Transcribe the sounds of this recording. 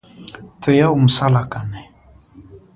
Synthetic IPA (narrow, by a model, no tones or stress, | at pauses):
tʰɛjaum̩salakanɛ